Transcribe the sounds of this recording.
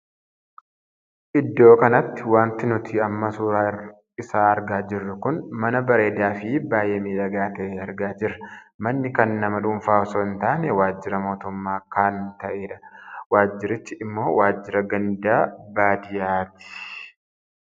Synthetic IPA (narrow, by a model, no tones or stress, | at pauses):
ʔɪd̪ːo̞ːkɐnɐt̪ːɪwaːnt̪ɪnʊt̪ɪɐmːɐsuːɾaː | ɪsaːɐɾɡaːd͡ʒɪrːɐkʊnmɐnɐbɐɾe̞ːd̪aːfɪbaːjɛmiːᶑɐɡaːt̪ɐʔeːɐɾɡaːd͡ʒɪɾɐmɐnːɪkɐnːɐmɐᶑʊɱfaːɔsoːɪnt̪aːnɛwaːd͡ʒːɪɾɐmo̞ːt̪ʊmːaːkaːnt̪ɐʔe̞ːᶑɐwaːd͡ʒːɪɾɪt͡ʃːɪʔːmːo̞ːwaːd͡ʒːɪɾɐɡɐnd̪aːbaːd̪ɪjaːt̪ɪ̥